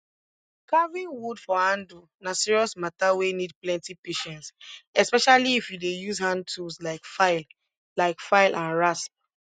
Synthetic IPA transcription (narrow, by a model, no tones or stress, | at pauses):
kavĩnwudfɔhãndu | nasiɹiɔsmatawenid̚plɛ̃ntipeʃɛ̃ntsɛspɛʃaliːfjudejuzhãn̚tʰuslaɪkfaɪl | laɪkfaɪlʔãnɹasp̚